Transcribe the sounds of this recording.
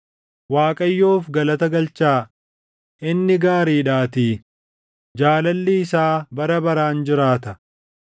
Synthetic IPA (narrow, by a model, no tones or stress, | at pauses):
waːkʼɐjːo̞ːfɡɐlɐt̪ɐɡɐlt͡ʃaː | ʔɪnːɪɡaːɾiːᶑaːt̪iː | d͡ʒaːlɐlːɪːsaːbɐɾɐbɐɾaːnd͡ʒɪɾaːt̪ɐ